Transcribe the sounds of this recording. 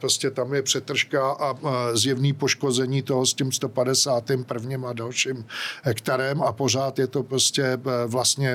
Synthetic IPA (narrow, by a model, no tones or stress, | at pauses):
pɾoscɛt̪amjɛpr̝̥ɛt̪r̩ʃkaʔazjɛvniːpo̞ʃko̞zɛɲiːt̪o̞ɦoscɛmst̪o̞padɛsaːt̪ɪmpr̩vɲɪmadalʃimɦɛkt̪aɾɛmapo̞r̝aːt̪jɛt̪o̞pɾoscɛvlast̪ɲɛ